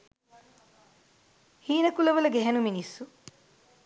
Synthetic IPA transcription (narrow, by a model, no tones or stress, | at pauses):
hiːnɐkulɐʋɐlɐɡɛɦɐnuminisːu